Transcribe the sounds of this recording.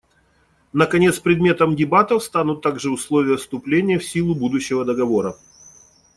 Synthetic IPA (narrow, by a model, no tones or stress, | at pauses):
nəkɐnʲe̞t̪spɾʲɪd̪mʲe̞t̪əmdʲɪbat̪əfst̪anʊt̪ːaɡʐɨʊslˠovʲɪjəfst̪ʊplʲenʲɪjəfsʲilˠʊbud̪ʊɕːɪvəd̪əɡɐvo̞ɾə